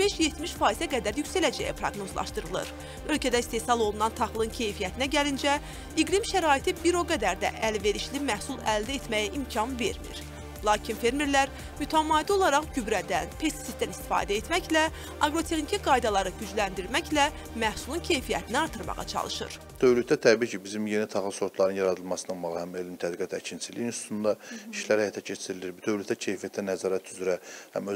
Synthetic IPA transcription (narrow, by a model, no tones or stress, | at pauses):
b̥e̞ʃje̞t̪miʃfɑːizæɡæd̪æɾjycsælæd͡ʒæ̰jḭpʰɾɑ̰ɡno̞zlˠɑ̰ʃt̪ɯɾɯlˠɯ̰ɾ | ø̞lcʰæd̪æist̪e̞sɑlˠo̞lˠunɑnt̪ʰɑχlˠɯncʰe̞jfijæt̪ʰinæɟælind͡ʒæ | iɡlimʃæɾɑːit̪ʰibiɾo̞ɡæd̪æɾd̪æ̰ʔælve̞ɾiʃlimæhsulˠæld̪æet̪mæjæʔimcʰɑnve̞̰ɾmḭɾ | lˠɑːcʰinfe̞ɾmiɾlæɾ | myt̪ʰæmɑːd̪io̞lˠɑɾɑχɟybɾæd̪ænpʰe̞st̪i̥sifd̪ænist̪i̥fɑ̰ːd̪æet̪mæçlæ | ɑɡɾo̞t̪ʰe̞xnicʰiɡɑjd̪ɑlˠɑɾɯɟyd͡ʒlænd̪iɾmæçlæ | mæhsulˠuncʰe̞jfijæ̰t̪ʰiniɑɾt̪ʰɯɾmɑ̰ʁɑ̰t͡ʃʰɑ̰lˠɯʃɯ̰ɾ | d̪̥øvlyt̪̚d̪æt̪ʰæbiːcʰibizimje̞nit̪ʰɑχlˠɯso̞t̪ʰlˠɑɾɯnjɑɾɑd̪ɯlˠmɑsɯnɑlˠmɑʁɯhæmelint̪ʰæd̪iɡæt̪ʰæcʰint͡ʃʰizliinst̪ut̪ʰund̪ɑiʃlæɾhæjɑt̪ʰɑcʰe̞t͡ʃʰiɾiliɾbud̪øvlyt̪æcʰe̞jfijæt̪ʰːænæzɑːɾæt̪ʰyzɾæhæ̰mø